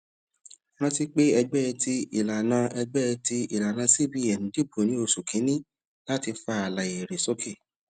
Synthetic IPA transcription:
ɾ̃ã˦ti˦k͡pe˦ɛ˧ɡ͡bɛ˦˧ti˦ḭ˨la˨nã˧ʔɛ˧ɡ͡bɛ˦ɛ˧ti˧˦i˨la˨nã˧si˦bi˦ɛ˨nĩ˨˦di˦˨bo˨nĩ˦o˧su˨kĩ˨˦nĩ˦ | la˦ti˧fa˧˦a˨la˨e˨ɾe˨so˦kʰe˦˨

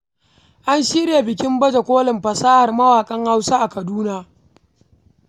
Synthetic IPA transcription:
ʔa˦nʃi˦ɽeː˨bɪ˨kʲɪ˦mbɐ˦d͡ʒa˨kʷoː˦lɪ˨mɸɐ˨saː˦ha˨rmɐ˦waː˨kʼɐ˦ŋha˦wsaː˦ʔa˨kɐ˨duː˦naː˦

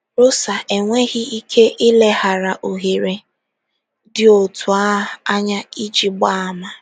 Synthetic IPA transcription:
ɾʊ˦sa˨e˨ŋʷe˦ɣɪ˦i˦kʰe˦ʔɪ˦le˦ɦa˨ɾa˨ʔo˨ɦe˨ɾe˨ | dɪ˦o˨tʰʊ˨a˦˨a˦ɲa˦i˦d͡ʒi˦ɡ͡ba˦a˨ma˨

